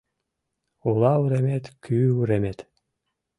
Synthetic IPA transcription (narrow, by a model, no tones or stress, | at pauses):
ulˠɑuɾemet̪kʰyːuɾemet̪